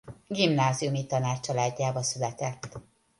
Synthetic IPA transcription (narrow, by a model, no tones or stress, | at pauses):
ɡimnaːziumit̪ɒnaːt͡ʃɒlaːɟːaːbɒsylɛt̪ɛt̪ː